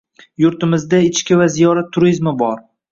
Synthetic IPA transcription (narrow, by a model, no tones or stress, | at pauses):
jʊɾt̪ɪmɪzd̪aɪt͡ʃkʲɪvazijɒɾat̪ʰːʊɾizmɪbɒɾ